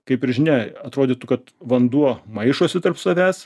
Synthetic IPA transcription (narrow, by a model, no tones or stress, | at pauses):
kɐɪpɪɾʒʲɪnʲɛɐt̪ɾoːd̪ʲit̪ʊkɐt̪ʋɐnd̪uɔmɐɪʃuɔsʲɪt̪ɐrpsɐʋʲæːs